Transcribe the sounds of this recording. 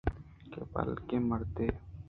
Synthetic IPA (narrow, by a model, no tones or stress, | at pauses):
kebɐ̰lkeməɾt̪eː